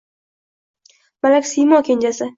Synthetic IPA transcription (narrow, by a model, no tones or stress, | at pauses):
b̥alakʲsijmɒkʲʰenʲd͡ʒasɪ